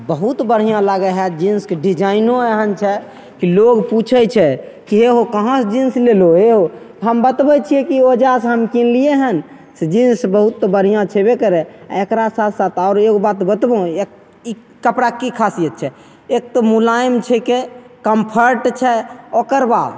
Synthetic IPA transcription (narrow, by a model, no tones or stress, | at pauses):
bəɦut̪bəɽ̤ɦijãlaɡɛɦɛd͡ʒinskeɖid͡ʒainoɛɦənt͡ʃʰɛ | kiloɡput͡ʃʰɛt͡ʃʰɛ | kiɦeɦokəɦãsd͡ʒinsleloeɦot̪ɦəmbət̪bɛt͡ʃʰiɛkiod͡ʒas̬ɦəmkinlieɦən | sed͡ʒinsbəɦut̪ːɔbəɽ̤ijãt͡ʃʰɛbekəɾɛa̰ekɾasat̪ʰsat̪ʰaʊɾeɦobat̪bət̪bõek | i | kəpɽakikʰasijət̪̚t͡ʃʰɛ | ek̚t̪əmulaimt͡ʃʰɛkekəmpʰəɾʈt͡ʃʰɛokəɾbad̪